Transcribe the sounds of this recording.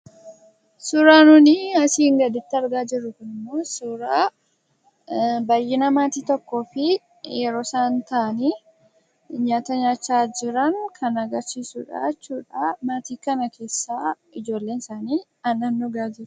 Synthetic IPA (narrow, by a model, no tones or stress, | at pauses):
sʊɾaːnʊnɪɐsiŋɡɐd̪ɪt̪ːɪɐɾɡaːd͡ʒɪrːʊkʊnɪmoːsʊːɾaː | bɐjːɪnɐmaːt̪iːt̪ɔkːo̞ːfɪ | jɛɾo̞ːsaːnt̪ɐʔɐni | ɲaːt̪ɐɲaːt͡ʃːaːd͡ʒɪɾɐŋkʰɐnɐɡɐɾsiːsuːᶑa̰t͡ʃːuːᶑamaːt̪iːkɐnɐkʰe̞ːsːaː | ɪd͡ʒo̞ːlːe̞ːnɪsaːniː | ɐnɐnːɔɡaːd͡ʒɪɾʊ